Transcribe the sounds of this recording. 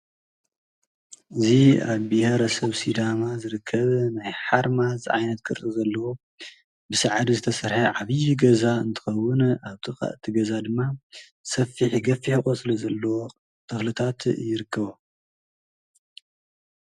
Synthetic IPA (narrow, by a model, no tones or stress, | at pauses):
ʔɨziaβbiheɾɐsɐβsid̪amazɨɾɨkʰːɐβnajħaɾmazʔa̰jnɐt̪̚kʰɨɾizɐlːɐwo̞ | bɨsɨʕd̪izɨt̪ʰɐsɐɾħaʕaβɨjːuɡɐzaɨnt̪ʰɨ̥xɐwːʊnʔaβt̪ʰʼɨxʼɐ̰ʔt̪ʰiɡɐzad̪ɨmːa | sɐfːiħiɡɐfiħiχʼosʼɨlɐzɐlːɐwo | t̪ʰɐxlɨt̪ʰat̪jɪɾɨkʰːɐβo